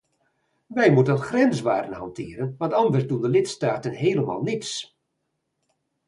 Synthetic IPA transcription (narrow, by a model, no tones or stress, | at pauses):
ʋɛjmutənlˠχrɛnsʋaːdənhɑntʰɪːəɾənʋɑntɑndərsdundəlɪtstaːtənɦeːləma̰ːlˠnits